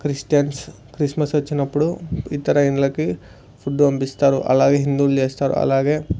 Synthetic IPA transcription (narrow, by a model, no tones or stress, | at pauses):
kɾisʈijɐns | kɾismɐsɐt͡ʃːinɐpːuɽuit̪ɐɾɐinɐlɐkːi | pʰuɖuʋɐmbist̪aːɾuʔɐ̰laːɡeɦind̪ulːieːst̪aːɾṵɐ̰laːɡe